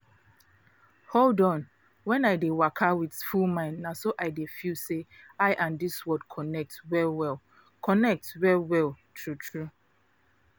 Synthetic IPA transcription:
holdɔ̃n | wɛ̃naɪdewakʰawidfulmãɪ̃nnasoʔaɪdefiseaɪʔãndiswɔd̚kʰɔnɛk̚twɛlwɛlˠ | kʰɔnɛk̚twɛlwɛlˠtʰɹutʰɹu

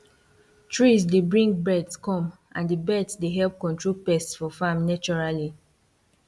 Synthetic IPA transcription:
tʰɹisdebɹĩŋɡbɹɛdskɔ̃m | ʔãndibɛdsdeɦɛlp̚kɔ̃ntʰɹolpɛstsfɔfamnat͡ʃɔɹali

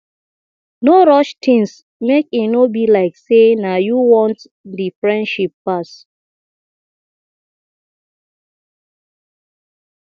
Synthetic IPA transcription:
noɾɔʃtʰĩŋs | mekinobilaɪksenajuwɔ̃nt | difɹɛ̃ndʃipːas

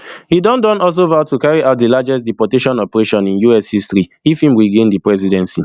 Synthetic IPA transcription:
hidɔ̃ndɔ̃nɔls̬ovatːukaɹiʔaʊt̚dilad͡ʒɛstdipɔteʃɔ̃nɔpɛɹeʃɔ̃nĩnjuɛshistɹiifhĩmwiɡẽndipɹɛz̬idɛ̃nsi

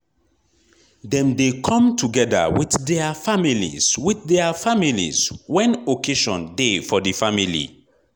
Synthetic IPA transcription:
dɛ̃mdekʰɔ̃mtuɡɛda̰wiθdɛafamilḭz̥wiθdɛafamilḭz̥wɛ̃nokʰeʃɔ̰̃ndefɔdəfamilḭ

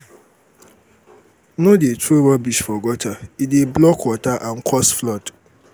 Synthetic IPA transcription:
nʊ̃detʰowɔbiʃfɔɡɔtʰaideblɔkʰɔtʰaʔãŋ̩kʰɔsflɔt

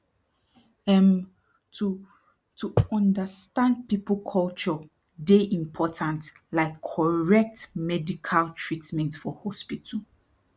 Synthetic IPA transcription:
ɛm | tu | tuɔ̃ndəstãnd̚pipəlkʰɔlt͡ʃɔ | deʔĩmpʰɔtʰãnt | laɪkʰːɔɹɛk̚tmɛdikʰaltʰɹitmɛ̃ntfɔhɔspitʰul

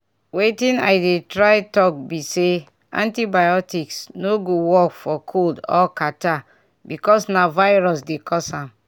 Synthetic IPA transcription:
wetĩna̰jdetɹajtɔk̚bise | ã̰ntibajɔtiksnoɡowɔkfɔkʰoldɔ̰kata | bikɔsnavajɹɔs̬dekʰɔsãm

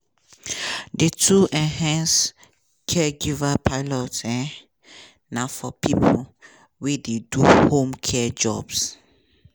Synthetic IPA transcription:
detʰuʔɛ̃ɦɛ̃ns | kʰɛɡivapʰaɪlɔtɛ | nãfɔpipʰə | wededuhõmkʰɛd͡ʒɔ̰bs

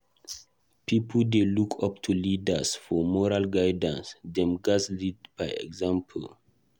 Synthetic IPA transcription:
pʰipʰəldelukʰʌptʰulidasfɔmɔɹalɡaɪdə̃nsdɛ̃mɡaslidb̥aɪɛ̰ɡzãmpʰəl

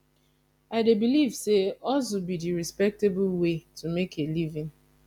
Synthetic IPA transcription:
aɪdebilivseɔs̬obidiɹispɛk̚tebulwetʰumekelivĩn

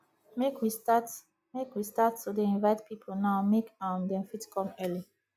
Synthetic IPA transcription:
mekwistat | mekwistattudeĩnvaɪtpʰipʰonaʊmekãmdɛ̃mfitkʰɔ̃mɜli

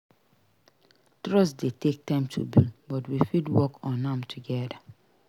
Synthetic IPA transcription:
tɹɔsdetek̚tãɪ̃mtʰṵbibɔtwifidwɔkɔ̃nãmtʰuɡɛda

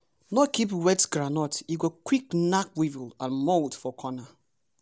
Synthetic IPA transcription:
nɔkipwɛtɡɹanɔtiɡokwiknakwivilãnmoltfɔkʰɔna

